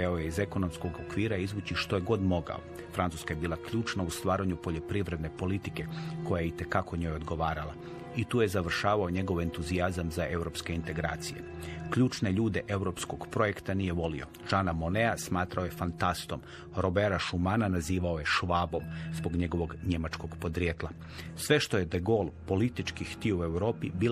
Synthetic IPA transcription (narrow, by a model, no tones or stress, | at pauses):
aojeize̞ko̞no̞msko̞ɡo̞kʋiːɾaizʋuːt͡ɕiʃt̪o̞je̞ɡo̞d̪mo̞ɡa̰o | fɾant̪uːskaje̞biːlˠakʎuːt͡ʃnaust̪ʋaːɾaɲupo̞ʎo̞pɾiʋɾe̞d̪ne̞po̞lit̪ike̞ko̞jajeit̪e̞kako̞ɲo̞ːjo̞d̪ɡo̞ʋaːɾalˠa | it̪uːje̞zaʋr̩ʃaːʋao̞ɲe̞ɡo̞ʋe̞nt̪uziazamzaʔe̞wɾo̞ːpske̞int̪e̞ɡɾa̰ːt̪sije̞̰kʎuːt͡ʃne̞ʎuːd̪e̞ʔe̞wɾo̞psko̞ɡpɾo̞je̞kt̪anije̞ʋo̞lḭo̞̰ | ʒ̥aːnamone̞asmaːt̪ɾao̞je̞fant̪ast̪o̞m | ɾo̞beɾaʃumananaziːʋaoje̞ʃʋaːbo̞mzbo̞ɡɲe̞ɡo̞ʋo̞ɡɲe̞mat͡ʃko̞ɡpo̞d̪ɾjet̪lˠa | sʋe̞ʃt̪ojed̪eɡo̞lˠpo̞lit̪it͡ʃkixt̪iue̞wɾo̞ːpibiːl